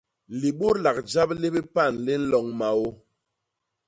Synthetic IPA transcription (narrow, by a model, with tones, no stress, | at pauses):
li˨ɓo˦ɾla˨k̚d͡ʒa˦ple˦bi˦pa˦˨nle˦n̩˦lɔ˨ŋma˨o˦